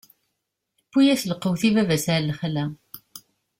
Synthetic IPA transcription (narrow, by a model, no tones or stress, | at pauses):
əpːujæθləqːəwθivævæsʕɾlχlæ